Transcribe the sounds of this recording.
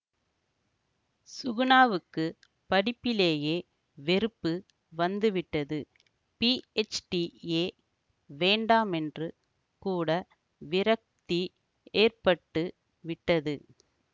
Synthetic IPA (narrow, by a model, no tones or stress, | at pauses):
sʊɣʊnaːʋɯkːɯ | pɐɽɪpːɪleːjeː | ʋɛɾɯpːɯ | ʋɐnd̪ɯʋɪʈːɐðɯ | piɛt͡ʃʈieː | ʋeːɳɖaːmɛndrɯ | kuːɽɐ | ʋɪɾɐk̚t̪i | eːrpɐʈːɯ | ʋɪʈːɐðɯ